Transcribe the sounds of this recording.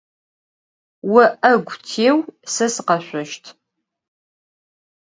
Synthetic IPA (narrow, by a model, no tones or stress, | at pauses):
wɐʔɐɡʷʊtʰeːwsɐsɨqɐɕʷɔʃtʰ